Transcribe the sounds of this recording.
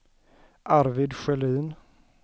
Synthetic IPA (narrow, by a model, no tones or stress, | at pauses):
ʔaɾvɪd̪ɧɛliːn